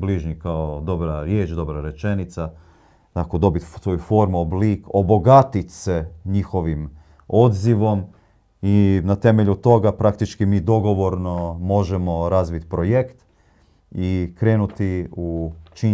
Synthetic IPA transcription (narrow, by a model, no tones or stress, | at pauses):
bliʒɲikaod̪o̞bɾaɾjeːt͡ʃd̪o̞bɾaɾe̞t͡ʃe̞nit̪sa | t̪akod̪o̞bit̪so̞jufo̞ɾmuobliːkobo̞ɡat̪it̪seɲixo̞ʋim | o̞d̪ziʋo̞m | inat̪e̞meʎut̪o̞ɡapɾakt̪it͡ʃkimiːd̪o̞ɡo̞ʋo̞ɾno̞mo̞ʒemo̞ɾazʋit̪pɾo̞jekt̪ | ikɾe̞ːnut̪iut͡ʃi